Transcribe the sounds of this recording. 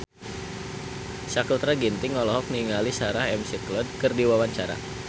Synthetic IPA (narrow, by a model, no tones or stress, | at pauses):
sakult̪ɾaɡint̪ɪŋɔlɔɦɔk̚niŋalisaɾahɛmsiklɔd̚kərdiwawaɲt͡ʃaɾa̰